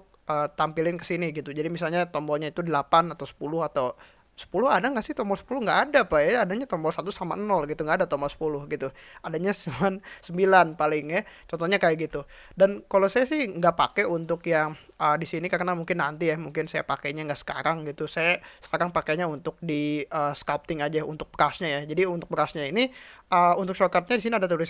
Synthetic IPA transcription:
ʊk̚ | əːt̪ampilɪnkə̥siniɡit̪ud͡ʒadimisalɲat̪ɔmbɔlɲait̪udəlapanat̪awsə̥pulʊhat̪aw | sə̥pulʊɦadaŋɡaʔsɪht̪ɔmbɔlsə̥pulʊhŋɡaʔːdapajaːdaɲat̪ɔmbɔlsat̪usamaʔənɔlɡit̪uŋɡaːdat̪ɔmbɔlsə̥pulʊhɡit̪uadaɲasmansəmbilanpalɪŋjat͡ʃɔnt̪ɔhɲakajaɡit̪u | dankalosajasɪhŋɡapa̰kɛunt̪ʊkjaŋ | ədisinikarnamuŋkɪnːant̪ijahmuŋkɪnsajapakeɲaŋɡaʔsə̥ka̰ɾaŋɡit̪usajasə̥kaɾaŋpakeɲaunt̪ʊk̚diəskap̚t̪ɪŋad͡ʒaṵnt̪ʊk̚bəɾasɲajad͡ʒadiunt̪ʊk̚bəɾasɲainiʔəunt̪ʊk̚t͡ʃokat̪̚ɲadis̬iniadat̪uɾɪs

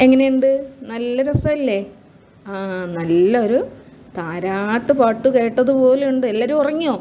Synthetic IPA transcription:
e̞ŋːɐnejuɳɖɨnɐlːɐɾɐsɐɐlːe̞ | anɐlːɐoɾu | t̪aːɾaːʈːupɐʈːuke̞ːʈːɐðupo̞ːluɳɖɨelːaːɾumurɐŋːioː

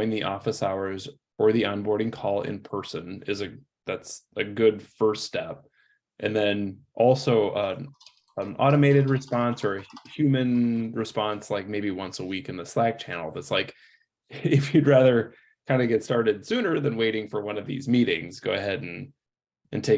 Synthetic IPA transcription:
ɪ̃ŋðiʔɔfɨsaʊə˞z | ə˞ðiə̃nbɔɹɾɪ̃ŋkʰɔlˠɪ̰̃npʰɜ˞sɨ̃nɪzɨ | ðætsɨɡʊdfɜ˞sttɛp̚ | ʔɨ̃nðɨ̃nʔɔlˠsoʊʔʌ | ʌ̃mɔ̰ɾəmeɪɾɨd̚ɹɨspɑ̃nsə˞ɨhjʉmɨ̃nɹɨspɑ̃nslaɪk̚meɪbiwʌ̃nsəwikɨ̃n̩ðɨslæk̚t͡ʃʰæ̰nl̩ˠðɨtslaɪk | ɪfjɨd̚ɹæðə˞ | kʰãɪ̃ndɨɡɛtstɑɹɾɨd̥sʉ̃nə˞ðɨ̃nweɪɾɪ̃ŋfə˞wʌ̃nʌvðḭzmiɾɪ̰̃ŋz̥ɡoʊɨɦɛɾn̩ | ʔɨ̰̃ntʰeɪ

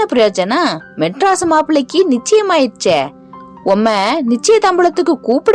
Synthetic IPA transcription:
ɐpɪɾɐjoːt͡ʃɐnaːmɛʈɾaːsɐmaːpɪɭɐɪkːinɪt͡ʃːɐjɐmaːɪɾt͡ʃːɛː | ɔmːɐnɪt͡ʃːɐjɐt̪ɐmbɪɭɐt̪ːɯkːɯkuːpɪɽ

